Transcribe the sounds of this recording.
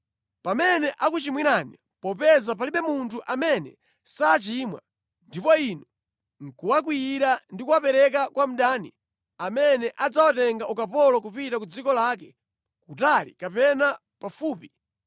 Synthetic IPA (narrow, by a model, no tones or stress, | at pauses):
pamɛnɛʔak̬ut͡ʃimwiɾani | pɔpɛzap̬aliɓɛmuntʰuʔamɛnɛ̰ | saːt͡ʃimwa̰ | ndipɔinɔ | ŋ̩kuwak̬wijiɾandikuwapɛɾɛk̬akwam̩ɗaːnḭ | amɛnɛʔad͡zawatɛŋɡaʔukapɔlɔk̬upitakud͡zikɔlaːk̬ɛ | kutalḭkapɛna | pafuːpi